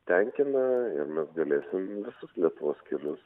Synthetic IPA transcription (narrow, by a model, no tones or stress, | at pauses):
t̪ʲɛŋʲkʲɪnɐɪɾmʲɛsɡɐlʲeːsʲɪmʋʲɪsʊslʲiɛt̪ʊʋoːskʲilʲʊs